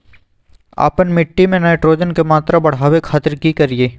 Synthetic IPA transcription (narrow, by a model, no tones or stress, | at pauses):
a̰ːpənmɪʈːimẽnaːɪʈɾoːd͡ʒənkemaːt̪ɾabɐɽ̤ɦaːwekʰaːt̪ɪɾkikɐɾieː